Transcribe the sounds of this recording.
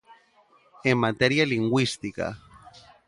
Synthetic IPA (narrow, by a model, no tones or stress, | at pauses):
emːat̪eɾjaliŋɡwist̪ika̰